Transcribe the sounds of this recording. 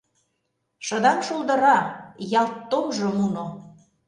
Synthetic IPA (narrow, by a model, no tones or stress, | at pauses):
ʃɤ̆d̪ɑmʃulˠd̪ɤ̆ɾɑjɑlt̪ːomʒŏmuno